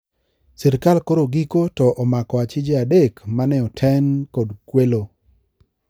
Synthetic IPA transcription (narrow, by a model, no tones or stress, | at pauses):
sɛɾkalkoɾoɡikotɔʔɔmakɔat͡ʃɪd͡ʒeadekmanɛɔtʰɛnkodkwelo